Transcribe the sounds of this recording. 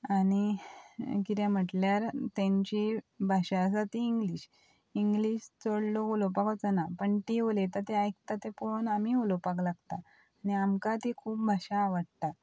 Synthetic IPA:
ani | kit̪jãm̤əʈljaɾt̪ãɲt͡ɕibʱaɕas̬at̪iːŋɡliɕ | iŋɡliɕt͡səɽloolopakɔt͡sənapəɳʈiolet̪̬ət̪eajk̚t̪at̪epoonamiolopaklaɡt̪aː | niamkat̪ikʰuːp̚bʱaɕaːʋəɽt̪a

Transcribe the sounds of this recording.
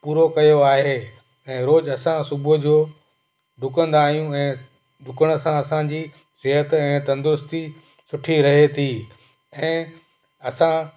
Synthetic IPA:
puːɾokɐjoaːɦeː | ɛ̃ːɾoːd͡ʑɐsãsʊbʊd͡ʑoː | d̪ʱʊkə̃nd̪aːɦijũɛ̃ː | d̪ʱʊkəɽ̃ə̆sãɐsãd͡ʑiː | sɪɦət̪ɛ̃ːt̪ɐ̃nd̪ɾʊst̪i | sʊʈʰiɾɐɦet̪ʰiː | ɛ̃ː | ɐsã

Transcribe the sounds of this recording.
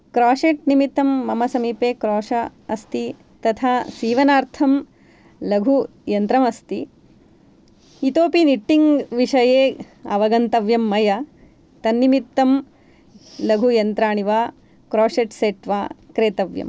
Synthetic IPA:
kɾaːʂeːʈnimit̪ːɐmːɐmɐsɐmiːpeːkɾoːʂɐɐst̪i | t̪ɐt̪ʰaːsiːʋɐnaːɾt̪ʰɐm | lɐɡʱu | jɐnt̪ɾɐmɐst̪i | it̪oːpiniʈːiŋɡʋiʂɐjeː | ɐʋɐɡɐnt̪ɐʋjɐmːɐjɐ | t̪ɐnːimit̪ːɐm | lɐɡʱujɐnt̪ɾaːɳiʋaː | kɾoːʂeːʈseːʈʋaːkɾeːt̪ɐʋjɐ̰m

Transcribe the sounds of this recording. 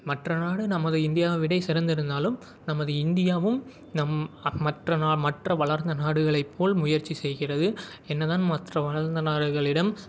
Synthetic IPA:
mɐʈrɐnaːɽɯnɐmɐðɯɪnd̪ɪjaːʋɐʋɪɽɐɪsɪɾɐnd̪ɪɾɯnd̪aːlɯm | nɐmɐðɯɪnd̪ɪjaːʋɯm | nɐmːɐʈrɐnaːmɐʈrɐʋɐɭɐɾnd̪ɐnaːɽɯɣɐɭɐɪpʰːoːlmʊjɐɾt͡ʃːisɛjɣɪrɐðɯ | ɛnːɐðaːnmɐt̪rɐʋɐɭɐɾnd̪ɐnaːɽɯɣɐɭɪɽɐm

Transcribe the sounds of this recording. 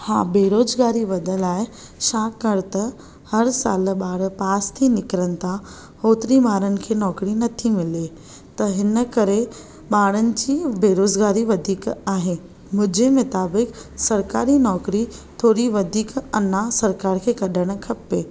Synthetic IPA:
hãːbeːɾoːzɡaːɾiʋɐd̪ʱəlaːɪ | ʃaːkɐɾt̪ɐ | hɐɾsa̰ːlɓaːɽpaːst̪ʰinɪkɾənɪ̆t̪ʰa | hoːt̪ɾimaːɾənɪ̆kʰeːnɔːkɾinɐt̪ʰimɪle | t̪ɐɦɪnəkɐɾe | ɓaːɽənɪ̆d͡ʑiːbeːɾoːzɡaːɾiʋɐd̪ʱiːkaːɦe | mʊ̃d͡ʑemʊt̪aːbɪksɐɾkaːɾinɔːkɾit̪ʰoːɾiʋɐd̪ʱiːkɐnasɐɾkaːɾkʰeːkɐɗʱəɽ̃̆kʰɐpːeː

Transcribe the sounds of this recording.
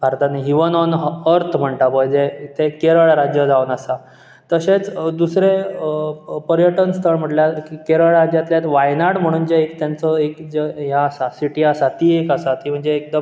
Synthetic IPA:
bʱaɾt̪aniɦiʋənɔnɦəɾt̪ʰm̤əɳʈ̪apəjd͡zeit̪ʰekeɾəɭɾad͡ʑjəd͡zaunasa | t̪əset͡sd̪usɾe | pəɾjəʈənst̪ʰəɭm̤əʈljakikeɾəɭɾad͡ʑjat̪ljat̪ʋajnaɽm̤əɽ̃uːnd͡ʑeekt̪jant͡sɔekd͡zeɦjaːsasiʈiasat̪iekasat̪iːm̤əɳd͡zeːk̚d̪əm

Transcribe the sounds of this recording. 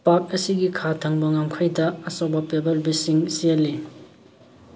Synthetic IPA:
pak̚ɐsiɡikʰatʰɐŋbɐŋamkʰajdɐːsowbɐpebɐlbisiŋselːi

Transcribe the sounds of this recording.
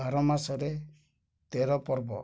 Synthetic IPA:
aɾɔmasɔɾe | t̪eɾɔpɔɾbɔ̰

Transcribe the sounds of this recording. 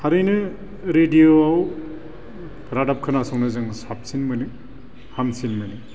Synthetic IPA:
haɾɯjnɯ | ɾedijoaw | ɾadap̚kʰɯnasɔŋnɯzɯŋsap̚sinmɯnɯ | hamsinmɯjnɯ

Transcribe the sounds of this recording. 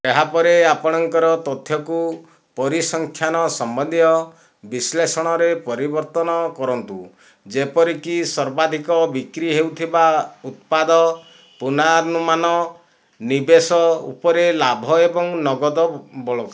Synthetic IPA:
eɦapɔɾeapɔɽ̃ɔŋkɔɾɔt̪ɔt̪ʰjɔku | pɔɾisɔŋkʰjanɔsɔmbɔnd̪jɔ | bislesɔɽ̃ɔɾepɔɾibɔɾt̪ɔnɔkɔɾɔnt̪u | d͡ʒepɔɾikisɔɾbad̪ʱikɔbikɾiɦewt̪ʰibaut̪̚pad̪ɔ | punaɾnumanɔ | nibesɔṵpɔɾelabʱɔebɔŋnɔɡɔd̪ɔbɔɭɔk

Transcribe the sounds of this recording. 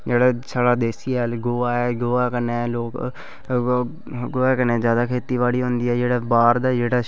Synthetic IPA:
d͡ʒeːɽaːsaːɽaːd̪eːsiːɛlɡoːaːɛːɡoːaːkəneːloːk | ɡoːaːkəneːzjaːd̪aːkʰeːt̪iːʋaːɽiːɦõːnd̪iːɛːd͡ʒeːɽaːbaːɾd̪aːd͡ʒeːɽaː

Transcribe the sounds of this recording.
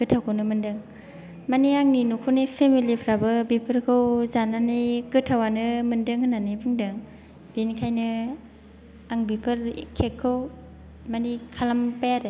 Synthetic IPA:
kɯtʰawkʰɯwnɯmɯndɯŋ | maniaŋninukʰɯnipʰemilipʰɾabɯbipʰɯɾkʰɯwzananikɯtʰawanɯmɯndɯŋhɯnːanibɯŋdɯŋ | b̥inkʰajnɯ | aŋbipʰɯɾkʰekʰːɯw | manikʰalampajaɾe

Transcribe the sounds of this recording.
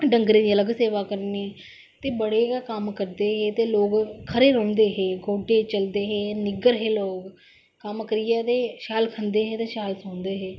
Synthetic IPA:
ɖəŋɡɾẽːd̪iːələɡseːʋaːkəɾne | t̪eːbəɽeːkəmkəɾd̪eːɦeːt̪eːloːɡkʰəɾeːɾõːnd̪eːɦeːɡoːɖeːt͡ʃəld̪eːɦeːnɪɡəɾɦeːloːɡ | kəmkəɾɪjaːt̪eːʃaːlkʰənd̪eːɦẽːt̪eːʃaːlsõːnd̪eːɦeː

